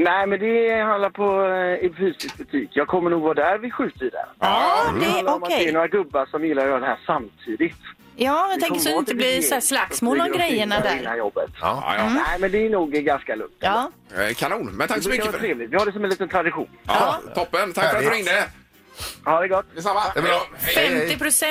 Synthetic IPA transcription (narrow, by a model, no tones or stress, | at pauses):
næɪmɛnd̪ɛhãnd̪laɾpʰɔɪfyːsɪsk̚bɵt̪ʰiːkjɑːɡ̚kʰɔmːəɳuːɡvɑːd̪æːɾvɪɧʉ̟ːt̪əɾɪd̪ɛ̰ɾɪɛaːɾɔmad̪ɛnoːɾaɡɵbːaɾʂɔmjɪlːaɾjœːɾad̪ɛɦæːʂamt̪ʰiːd̪ɪt̪ | jɑːɪɛŋkɔkmsɔɪnəlɪæːslaksmoːllaɡɾɛjːəɳaæɪnːajɔ̰bːə̰t̪ːnæɪmɛnd̪ɛæɳuːɡɡanskalɵ̰ŋt̪ʰː | kʰanuːnmɛnt̪ʰakːskavːt̪ʰɾeːvlɪt̪vɪhaɾɖɛs̬ɔmɛnliːt̪ənt̪ʰɾad̪ɪɧṵːnʰɔpːənt̪ʰakfɾɪŋnɛ | had̪ɛɡɔt̪ːd̪ɛsamːaɛfɛmt̪ɪpʰɾʊsɛ